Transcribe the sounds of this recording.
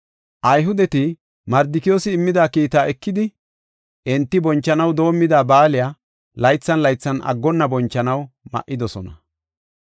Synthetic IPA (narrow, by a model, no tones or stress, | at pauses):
ʔɐjɦʊd̪ɛt̪ɪ | mɐɾd̪ɪkɪjoːsɪːmːɪd̪aːkiːt̪aːɛkːɪd̪ɪ | ʔɪnt̪ːɪbɔnt͡ʃːɐnɐwd̪o̞ːmːɪd̪aːbaːlɪjaː | lɐjt͡sːɐnlɐjt͡sːɐnʔɐ̰ɡːɔnːɐbɔnt͡ʃːɐnɐwmɐ̰ʔːɪd̪ɔsɔnɐ̰